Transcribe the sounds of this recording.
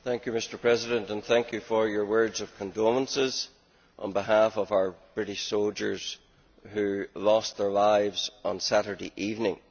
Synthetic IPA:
θæ̃ŋkjɨmɪstə˞pʰɹ̥ɛzɪdə̃ntə̃nθæ̃ŋkjɨfə˞jə˞wɜ˞dzəv̥kʰə̃ndomə̃nsɪz̥ | ʔə̰̃nbɪɦafəvaʊə˞b̥ɹɪɾɪʃsolˠd͡ʒə˞z̥ | hʉlˠɔsðə˞laɪvz̥ə̃n̩saɾə˞dḛʔivnɪ̃ŋ

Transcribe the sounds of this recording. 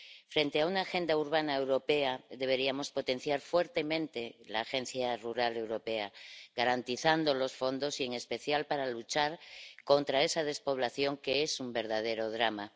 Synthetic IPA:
fɾe̞nt̪e̞aunaːxe̞nd̪auɾβanae̞wɾo̞pe̞aðe̞β̞e̞ɾiamo̞spo̞t̪e̞n̟θjaɾfwe̞ɾt̪e̞mẽnt̪e̞la̰ːxe̞n̟θjaruɾale̞wɾo̞pe̞aɡaɾant̪iθand̪o̞lo̞sfo̞nd̪o̞sie̞ŋe̞spe̞θjalpaɾalut͡ʃaɾko̞nt̪ɾae̞sað̞e̞spo̞β̞laθjo̞ŋkeesumbe̞ɾð̞að̞e̞ɾo̞ðɾama

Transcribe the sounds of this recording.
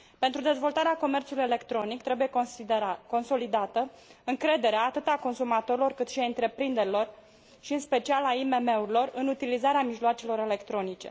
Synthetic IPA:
pe̞nt̪ɾud̪e̞zvo̞lt̪aɾeako̞me̞rt̪sulujele̞kt̪ɾo̞nikt̪ɾe̞buje̞ | ko̞nso̞lid̪at̪ə | ɨŋkɾe̞d̪e̞ɾeaːt̪ɨt̪ako̞nsumat̪o̞ɾilo̞rkɨt̪ʃiaɨnt̪ɾe̞pɾind̪e̞ɾilo̞r | ʃiɨnspe̞t͡ʃialaime̞me̞uɾilo̞rɨnut̪ilizaɾeamiʒloat͡ʃe̞lo̞ɾe̞le̞kt̪ɾo̞nit͡ʃe̞̰

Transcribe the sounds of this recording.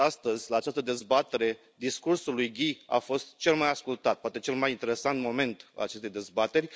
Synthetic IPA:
ast̪əzʲlaːt͡ʃast̪əd̪e̞zbat̪e̞ɾe̞ | d̪iskursulːujɡʲia̰fo̞st̪t͡ʃe̞lmajaskult̪at̪̚poat̪et͡ʃe̞lmajint̪e̞ɾe̞sant̪mo̞me̞nt̪a̰lat͡ʃest̪e̞jd̪e̞zbat̪e̞rʲ

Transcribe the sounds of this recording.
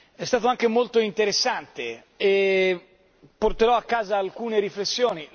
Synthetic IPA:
ɛst̪aːt̪oaŋk̟emolt̪oint̪eɾesːant̪e | e | pːort̪eɾɔakːaːzaːlkuːneɾiflesːjoːni

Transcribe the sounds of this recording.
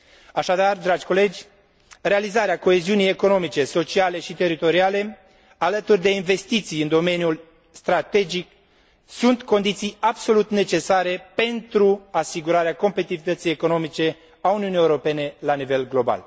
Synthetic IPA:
aʃad̪ard̪ɾad͡ʒʲko̞le̞d͡ʒʲ | realizaɾeako̞e̞ziunije̞ko̞no̞mit͡ʃe̞so̞t͡ʃiale̞ʃit̪e̞ɾit̪o̞ɾiale̞ | alət̪urʲd̪e̞inve̞st̪it̪sijɨnd̪o̞me̞njul | st̪ɾat̪e̞d͡ʒik | sunt̪ko̞nd̪it̪sijabso̞lut̪ne̞t͡ʃe̞saɾe̞pe̞nt̪ɾuasiɡuɾaɾeako̞mpet̪ivit̪ət̪sijeko̞no̞mit͡ʃe̞ | auniunijewuɾo̞pe̞ne̞lanive̞lɡlo̞ba̰l

